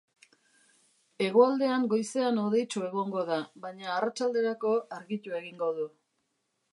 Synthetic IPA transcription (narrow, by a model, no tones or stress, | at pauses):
e̞ɣoald̪e̞aŋɡo̞jse̞anoðe̞jt͡ʃue̞ɣ̞o̞ŋɡo̞ðaβajɲaːrat͡ʃald̪e̞ɾako̞aɾɣit̪ue̞ɣiŋɡo̞ðu